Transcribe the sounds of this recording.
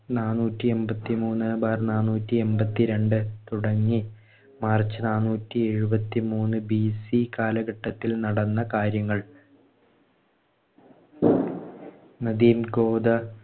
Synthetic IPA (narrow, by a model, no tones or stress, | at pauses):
naːnuːtːie̞mbɐt̪ːimuːnːɐbaːrnaːnːuːtːie̞mbɐt̪ːiɾe̞ɳɖɨt̪uɽɐŋːi | maːrt͡ɕːɨnaːnːuːtːie̞ɻubɐt̪ːimuːnːɨbisikaːlɐɡɐʈːɐt̪ːilnɐɽɐnːɐkaːɾjɐŋːɐɭ | nɐd̪iːmɡo̞ːd̪ɐ